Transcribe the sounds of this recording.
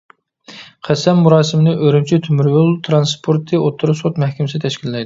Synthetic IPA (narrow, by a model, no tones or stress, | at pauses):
qʰæsɛmːuɾɑːsɨmɪnɨʔøɾymt͡ʃʰit̪ʰymyɾjulˠt̪ʰɾɑnspʰoɾt̪ʰɨot̪ʰːuɾusot̪mɛhkʲɪmɪsɪt̪ʰɛʃkʲilːɛjd̪ɪ